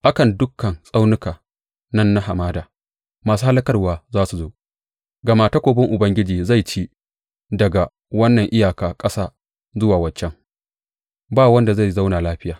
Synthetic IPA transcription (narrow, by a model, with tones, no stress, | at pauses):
ʔa˦kɐ˨ndʊ˦kːɐ˨nsʼa˦wnɪ˦kaː˨ | nɐ˦nːa˦ɦa˨maː˦daː˨ | maː˨s̬uː˦ha˦lɐ˦kɐ˦rwaː˦zaː˦su˨zoː˦ | ɡɐ˨maː˨ta˦kʷoː˨bɪ˦ŋʔʊ˨bɐ˦ŋɡʲɪ˦d͡ʒiː˨za˦˨jt͡ʃiː˦ | dɐ˨ɡa˨ | wɐ˦nːɐ˨ŋʔɪ˦jaː˨kaː˨kʼɐ˦saː˦ | zʊ˦waː˨wɐ˨t͡ʃːɛ˦ŋ | baː˦˨wɐ˦nda˨za˦˨za˦wnaː˨laː˦ɸɪ˦jaː˨